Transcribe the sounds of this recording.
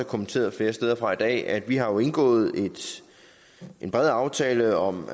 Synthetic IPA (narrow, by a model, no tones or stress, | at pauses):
ækʰomən̩t͡sʰe̝̰ːɐð̩ˠfle̝ːɐsd̥eð̞ˠɐfʁɑ̈id̥ɛ̰ːæd̥ʋiɦɑ̈jo̝e̝nɡ̥ɔ̰̽ːð̞̩ˠe̝d̥ | e̝nb̥ʁɛð̩ˠɑ̈ʊt͡sʰɛːləɒ̽m